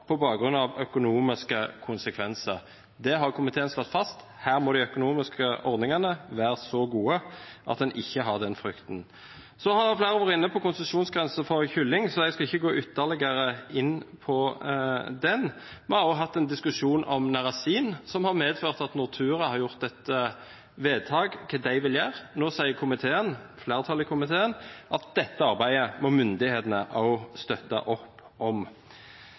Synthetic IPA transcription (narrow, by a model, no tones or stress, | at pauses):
pʰɔbɑːɡɡɾʉnːɑʋœkʊnuːmɪskəkʰʊnsəkʰʋɛnsəʁ | d̪ɛɦɑʁkʰʊmɪt̪ʰeːnslɔt̪ːfɑst̪ | hæːɾmɔːd̪æɪœkʊnuːmɪskəʔɔʁd̪nɪŋɑnəʋæːɾəsɔɡuːəʔɑ̰t̪̚d̪ɛnʔɪçːəɦɑʁd̪ɛnfɾʏkt̪n | sɔhɑɾjɛflæːɾəʋoːɾəɪnːəpʰɔkʊnst̪əsuːnsɡɾɛnsəfɔɾçʏlːɪŋsɔɛɡskɑɪçːəɡoːʔʏt̪ːəlɪɡəɾəɪnːpʰɔ | d̪ɛn | mɛɑʊɦɑt̪ːɛnd̪ɪskʉʃuːnʔɔmnɑɾɑsiːnsɔmhɑɾmeːd̪føːʁt̪ɑt̪nʊɾt̪ʰʉːɾəhɑɾjʊʁt̪̚d̪ɛt̪ːə | ʋeːd̪̚t̪ʰɑːɡkʰɛd̪æɪʋɪljæːʁnoːsæɪəɾkʰʊmɪt̪ʰeːənfleːɾt̪ʰɑlɪkʰʊmɪt̪ʰeːənʔɑt̪̚d̪ɛt̪ːəɑɾbæɪəmɔmʏnd̪ɪheːt̪ənəʔɑʊst̪œt̪ːɑ̰ʔɔpː | ʔɔm